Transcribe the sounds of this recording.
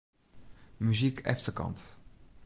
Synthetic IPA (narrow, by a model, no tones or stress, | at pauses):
myzikʰɛ̰fsəkɑ̰̃nt̪